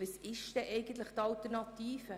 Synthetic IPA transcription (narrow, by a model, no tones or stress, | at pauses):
əsɪʃt̪ɛʔɛɪɡən̩t̪ləχt̪ɑlt̪əɾnɑt̪iːfə